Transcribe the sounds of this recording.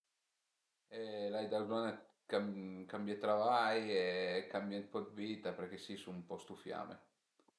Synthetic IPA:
ɛlajd̪azɔna | kakambjet̪ɾavajekambjapɔd̪viːt̪apeɾk̟esisumpɔst̪ufja̰ːmḛ

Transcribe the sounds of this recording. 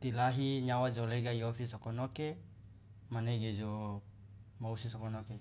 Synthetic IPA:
t̪ilaɦiɲawad͡ʒoleɡaiofisokonoke | maneɡed͡ʒo | mausisokonoke

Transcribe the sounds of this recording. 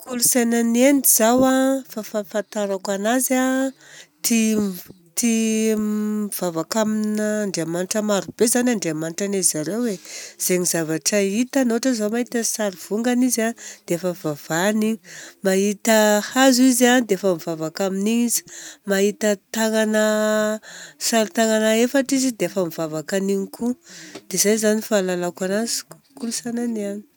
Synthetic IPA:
kʰulusajnaneniz̥awafafafat̪aɾakʷanaza | t̪i | t̪i | v̥avakaminəːɳɖ͡ʐeamaniʈ͡ʂəmaɾubezanʲaɳɖ͡ʐeamaniʈ͡ʂanezaɾewwez̥eɲizavaʈ͡ʂəit̪anoaʈ͡ʂəzamaɦit̪əsaɾiv̥uŋɡanizad̪̥eafəvavanimaɦit̪əhazizanid̪eafəmivavakaminizi̥maɦit̪ət̪aŋanə | saɾit̪aŋanəefaʈ͡ʂizid̪eafəmivavakaniɲikʰud̪̥ezajzanifalalakanazi̥k | kulusananiani̥

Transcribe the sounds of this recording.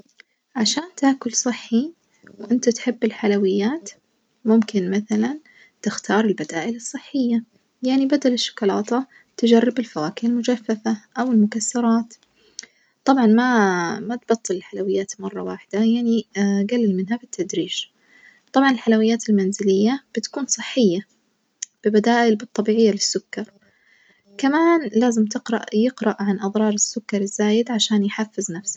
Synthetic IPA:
ʕaʃaːnt̪aːkʊlsˤɨħːi | wʔɪnt̪at̪ħɪbːɪlħalawɪjːaːt̪ | mʊmkɪnmaθalan | t̪ɪxt̪ɑːɾˤɪlbad̪aːʔɪlɨsˤːɨħːɪjːa | jaʕnibad̪alɪʃːʊ̥kɑlɑːt̪ɑ | t̪ɪd͡ʒarˤːɪbɪlfawaːkɪɪlmʊd͡ʒafːafaʔawɪlmʊkasːɑɾˤɑːt̪ | t̪ˤɑbʕɑnmamat̪bɑt̪ˤːɨlɪlħalawɪjːaːt̪mɑrˤːɑ̰waːħɪd̪ajaʕniɡalːɪlmɪnɦabɪt̪ʰːad̪ɾiːʃ | t̪ˤɑbʕɑnɪlħalawɪjːaːt̪ɪlmanzɪlɪjːab̥ɪt̪kuːnsˤɨħːɪjːa | b̥ɪbad̪aːʔɪlbɨt̪ˤːɑbiːʕɪjːalɪsːʊkːɑɾˤ | kamaːnlaːzɪmt̪ɪqɾɑʔjɪqɾɑʔʕanʔɑðˤɾˤɑːɾˤɪsːʊkːɑɾˤɪzːaːjɪd̪ʕaʃaːnjħafːɪznafsḁ

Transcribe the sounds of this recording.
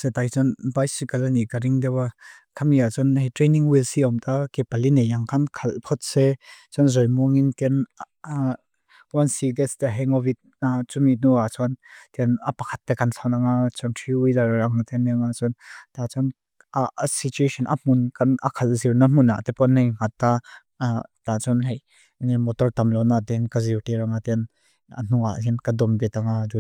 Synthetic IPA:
sɛt̪ajt͡sɔnbajsikəlanikaɾiŋdɛwa | kʰamiat͡sɔnɦɛtɾejniŋwilsiɔmt̪akepalinejaŋkʰankʰalpʰɔt̪̚sɛt͡sɔnzɔjmuŋinkɛn | wansidɛst̪aɦɛŋɔvit̪̚nat͡suminuat͡sɔnt̪inɐpɐkʰɐt̪ːɛkɐnɬʰawnaŋat͡sʰɔntʰiwizaɾɾaŋat̪ɛnɛŋat͡sɔnt̪at͡sɔn | sit͡ʃueʃɔnʔa̰m̥unkanɐ̰kʰalziɾnam̥una̰t̪ɛpɔnːejŋ̥at̪ːa | t̪at͡sɔnɦej | nimɔtɔrt̪ɐmlɔnat̪inkaziwteɾaŋat̪ɛn | ə̰n̥ua̰tɛnkɐd̪ɔmbɛt̪aŋazu

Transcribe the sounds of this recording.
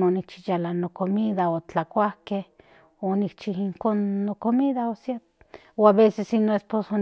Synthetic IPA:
onik̚t͡ʃijalanokomiðaot͡ɬakʷahkeh | onik̚t͡ʃihiŋkonːokomiðaosja | oaβesesinoesposo

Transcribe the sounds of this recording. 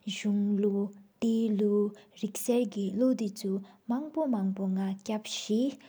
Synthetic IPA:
ʑuŋlot̪eluɹik̚sɛɹkiloʔd̪it͡sʰumaŋpomaŋpoŋacap̚ɕi

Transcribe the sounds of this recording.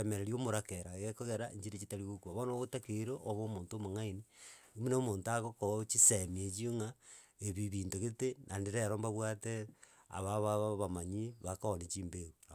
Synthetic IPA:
emeɾeɾiomoɾakeɾaɣekoɣeɾaḛɲd͡ʒiɾet͡ʃitaɾiɣokuaβonoɣotakeɾoʔoβoːmoːntomoŋainiimunemoːntaɣokot͡ʃisemiet͡ʃioŋaeβiβiːntoɣetenʔandiɾeɾombaβwate | a̰βaβaβaβamaɲiβakaonet͡ʃiːmbeɣu

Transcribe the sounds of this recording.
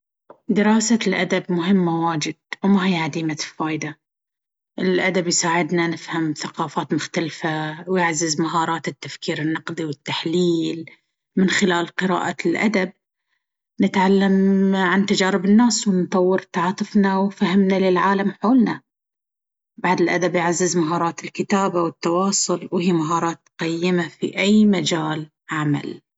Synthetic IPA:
d̪ɪɾɑːsalʔad̪abmʊɦɪmːawaːd͡ʒɪd̪̥̚wmaɦiːʕad̪iːmafaːjd̪a | ʔɪlʔad̪abjsaːʕɪd̪nanɪfhamθaqɑːfaːt̪mʊxt̪alfawjɪʕzɪzmaɦɑːɾˤɑːt̪ɪt̪ːafkiːɾɪnːɑqd̪ˤiwɪt̪ːaħliːl | mɪnxɪlaːlqɨɾa̰ːʔalʔa̰d̪ab̚ | nɪt̪ʕalːamʕant̪ad͡ʒaːɾɪbɪnːaːswnt̪ˤɑwːɪɾt̪ɑʕɑːt̪ˤɨfnawfahɪmnalɪlʕaːlamħoːlna | baʕd̪ɪlʔad̪abjɪʕazːɪzmaɦɑːɾˤɑːt̪ɪlkɪt̪aːbawɪt̪ːɑwɑːsˤʊlwhiːmaɦɑːɾˤɑːt̪̚qajːɪmafiʔajmad͡ʒaːl | ʕama̰l

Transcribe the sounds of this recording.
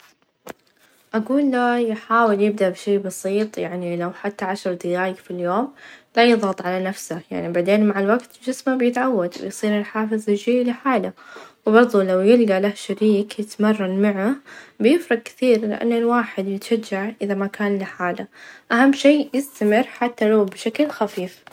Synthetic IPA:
ʔaɡuːlːajɪħaːwɪljɪb̚d̪aʔbʃeːbɑsiːt̪ˤjaʕnilawħat̪ːaʕaʃɑɾˤd̪ɪjaːjɪfiljoːmlajɨðˤɑt̪ˤʕalanafsaja̰ʕnibaʕd̪eːnmaʕalwaɡt̪ɪld͡ʒɪsmabjɪt̪ʕawːad̪wɪ̰jsˤiːɾɪlħaːfɨzˤɪd͡ʒiːʔlɪħaːlawbɑɾˤðˤulawjɪlɡalahʃaɾiːkjɪt̪mɑrˤːɑnmaʕabɪjɪfɾˤɑɡ̚kɪ̥θiːɾlɪ̰ʔa̰nːɪlwaːħɪd̪jɪt̪ʃad͡ʒːaʕʔɪðamakaːnliħaːlaʔahamːʃeːjɪst̪amɪɾːħat̪ːalawbɪʃaklxafiːf

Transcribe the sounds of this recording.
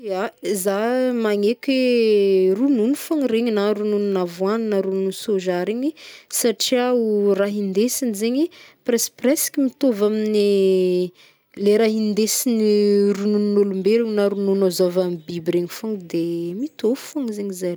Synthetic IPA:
azamaŋekʲwe | rununufoŋiɾeɲinaɾunununavwaninaɾununsoʒaɾeɲisaʈ͡ʂiauraɦind̪esinizeɲiprɛsprɛskʲimit̪ovamini | leɾaɦind̪esinirununnolumbeɾiŋnaɾununazovambibiɾeɲifoŋd̪emit̪ovu̥foŋizeɲizaj

